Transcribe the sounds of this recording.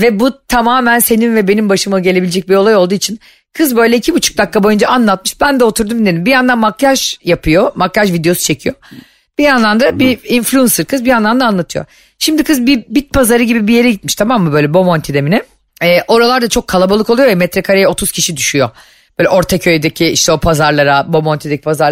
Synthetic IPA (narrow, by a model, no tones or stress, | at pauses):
vɛbut̪ʰamaːmænse̞ninvɛbe̞nimbaʃɯmɯɟe̞lʲeied͡ʒɛc̚bio̞lˠajo̞lˠd̪uːit͡ʃʰin | kʰɯzbø̞jlʲɛicʰibut͡ʃʰu̥k̚d̪akːabo̞jund͡ʒaanlˠat̪̚mɯʃbænd̪ɛot̪ʰuɾd̪umd̪ed̪imbijand̪anmaklʲaʒjapʰɯjomaklʲaʒvid̪eo̞su̥t͡ʃʰe̞cʰijo | b̥ijanlˠand̪abiinflʲunsɯɾkʰɯzbijanlˠand̪anlˠat̪ʰɯjo̰ | ʃimd̪ikʰɯzbibit̪̚pʰazaɾɯɟibibije̞ɾɛɟit̪̚miʃt̪ʰamamːɯbøjlʲɛbo̞mont̪ʰid̪eminɪ | ɛːʔo̞ɾalˠaɾd̪at͡ʃʰo̞kʰːalˠabalˠɯkʰolˠujovɛmɛt̪ɾɛkʰaɾejɛo̞t̪ʰuz̥cʰiʃid̪yʃyjo | b̥øːlʲɛʔo̞ɾt̪ʰacʰø̞jd̪ecʰiiʃt̪ʰɛo̞pʰazaɾlˠaɾabo̞mont̪ʰed̪ecʰi̥pʰazaɾ